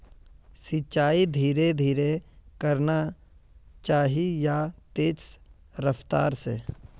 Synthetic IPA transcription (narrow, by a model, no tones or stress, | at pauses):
sɪt͡ʃaːid̪ʱiːɾed̪ʱiːɾekəɾna | t͡ʃaːɦijat̪eːs | ɾəft̪a̰ːɾsḛ